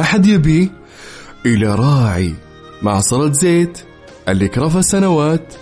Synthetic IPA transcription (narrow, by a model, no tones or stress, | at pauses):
aħad̪jɪbiː | ʔɪlaɾˤɑːʕḭ | maʕsˤɑɾˤɑt̪zeːt̪ | ʔalːikɾˤɑfasanawaːt̪